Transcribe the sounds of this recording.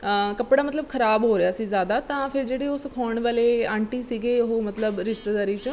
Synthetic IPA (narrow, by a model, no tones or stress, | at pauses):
kəpɽaːmət̪ləb̚kʰəɾaːbɦoːɾejaːsiːzjaːd̪aːt̪ãːpʰɪɾd͡ʒeːɽeːoːsəkʰɔːəɳʋaːleːãːɳʈiːsiːɡeːɦoːmət̪ləbɾɪʃt̪ed̪aːɾiːt͡ʃ